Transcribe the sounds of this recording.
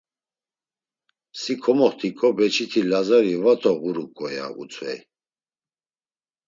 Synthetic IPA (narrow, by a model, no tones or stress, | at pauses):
sikʰɔmɔχt̪ʰikʼɔbɛt͡ʃʰit̪ʰilazaɾivat̪ʰɔɣuɾukʼɔja̰ṵt͡sʰvɛj